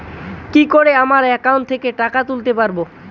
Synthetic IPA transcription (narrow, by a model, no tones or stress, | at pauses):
kikoɾeamaɾɛkauɳʈt̪ʰekeʈakat̪ult̪epaɾbo